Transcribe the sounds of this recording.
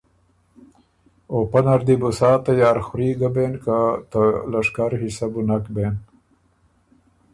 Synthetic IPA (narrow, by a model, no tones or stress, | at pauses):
oːpanaɾd̪ibusɑːt̪ajaːɾxuɾiːɡabenkat̪əlaʂkaɾhisabunakben